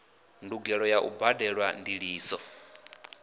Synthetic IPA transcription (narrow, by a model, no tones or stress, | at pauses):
nduɡɛɺɔjaʔṵbadɛɺwandiɺiːsɔ